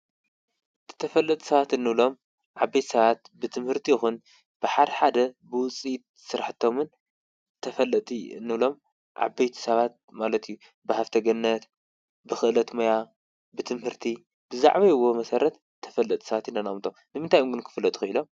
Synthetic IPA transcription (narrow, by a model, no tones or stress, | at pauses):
zɨ̥t̪ʰɐfɐlːɐt̪ʼi̥sɐβat̪ɨnːɨβlo̞m | ʕabːɐjt̪sɐβat̪bɨt̪ʰɨmhɨɾt̪ʰijɪxun | b̥ɨħad̪ɐħad̪ɐbɨwʊt͡sʼit̪̚ | sɨɾaħɨt̪ʰːo̞mɨn | ɨt̪ʰːɐfɐlːɐt̪ʼiɨ̰nːɨβlo̞m | ʕa̰bɐjt̪ʰi̥sɐβat̪̚malɐt̪iju | bɨhaft̪ʰɐɡɐnːɐt̪ | bɨxɨʔlɐt̪moja | bɨt̪ʰɨmhɨɾt̪ʰi | bɨza̰ʕβɐjɨwːomɐsɐɾɐt̪ | t̪ʰːɐ̥fɐlːɐt̪ʼsɐβat̪inːanɐmt̪ʰomnɨmɨnt̪ʰajʔomɡɨnkʰɨ̥fɨlːɐt̪ʼuxɨilo̞m